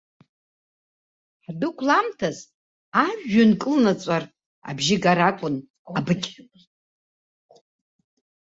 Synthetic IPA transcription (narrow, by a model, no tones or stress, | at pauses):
ħdɨkʷʰʼlamtʰaz | aʒːankʼɨlnat͡sʷʼar | a̰bʒɪɡaɾakʷʼʊn | abɨkʲʼ